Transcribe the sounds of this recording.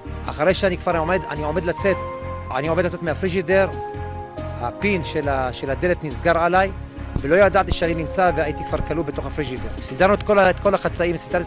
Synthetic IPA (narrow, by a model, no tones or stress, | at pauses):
ʔa̰χaʁejʃeanikv̥aʁomed̪a̰nio̞me̞d̪lat͡set̪a̰niomedlat͡setmeafʁiʒideʁ | ha̰pinʃelaʃelad̪e̞let̪nizɡaʁʕalaj | velo̞jad̪at̪iʃeaninimt͡saveajit̪ikvaʁkalubet̪o̞χafʁiʒid̪eʁsid̪aʁnuet̪kolaet̪kolaχat͡saimvsid̪a